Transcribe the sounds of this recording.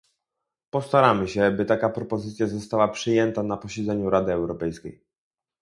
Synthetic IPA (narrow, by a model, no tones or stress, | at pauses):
pɔst̪aɾamɘɕɛbɘt̪akapɾɔpɔzɘt̪sʲjazɔst̪awapʂɘjɛnt̪anapɔɕɛd̪zɛɲuɾad̪ɘɛwɾɔpɛjskʲej